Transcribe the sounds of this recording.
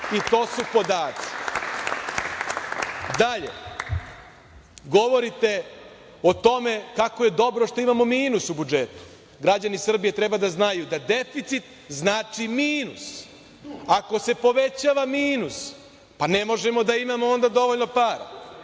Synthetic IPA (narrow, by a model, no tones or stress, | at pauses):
it̪o̞ːsupo̞d̪aːt̪si̥ | d̪aʎe̞̰ | ɡo̞ʋo̞ɾit̪e̞ | o̞t̪o̞me̞kako̞je̞d̪o̞bɾo̞ʃt̪o̞imamo̞miːnusubud͡ʒet̪u̥ | ɡɾad͡ʑanisr̩bije̞t̪ɾebad̪aznajud̪ad̪efit̪sit̪ | znaːt͡ʃimiːnus | ako̞se̞po̞ʋet͡ɕaːʋamiːnus | panemo̞ʒemo̞d̪aimamoo̞nd̪ad̪o̞ʋoʎno̞paːɾa̰